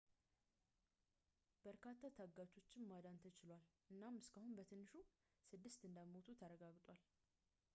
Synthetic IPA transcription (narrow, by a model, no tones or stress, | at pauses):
b̥əɾkʰat̪ʰːat̪ʰaɡat͡ʃ̪ʰo̞t͡ʃːɪnmad̪ant̪ʰət͡ʃɪlwalʔɨnːamɨskahunbət̪ʰɨnːɨʃu | sɨd̪ːɨst̪ɨnd̪əmo̞t̪ʰut̪ʰəɾəɡaɡt̪ʼwal